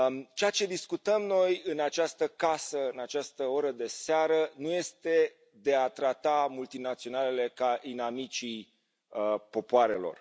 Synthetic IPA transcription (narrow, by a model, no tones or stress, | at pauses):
t͡ʃeat͡ʃe̞d̪iskut̪əmno̞jɨnat͡ʃast̪əkasəɨnat͡ʃast̪əoɾəd̪e̞seaɾənuje̞st̪e̞ | d̪e̞at̪ɾat̪amult̪inat̪sio̞nale̞le̞kainamit͡ʃi | po̞poaɾe̞lo̞̰r